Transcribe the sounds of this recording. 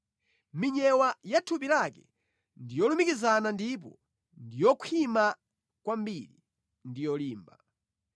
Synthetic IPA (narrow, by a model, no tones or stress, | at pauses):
miɲɛwajatʰup̬ilakɛ | ndijɔlumikizanandip̬ɔ | ndijɔkʰima | kwambili | ndijɔliːmba